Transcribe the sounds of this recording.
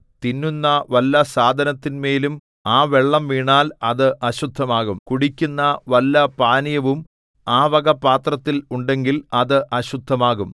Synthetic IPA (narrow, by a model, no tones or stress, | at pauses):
t̪inːunːɐʋɐlːɐsaːd̪ʱɐnɐt̪ːinme̞ːlum | aːʋeɭːɐmʋiːɳaːlɐðɨʔɐɕud̪ʱːɐmaːɣumkuɽikʲːunːɐʋɐlːɐpaːnijɐʋum | aːʋɐɣɐpːaːt̪rɐt̪ːiluɳɖe̞ŋɡilɐðɨʔɐɕud̪ʱːɐmaːɣum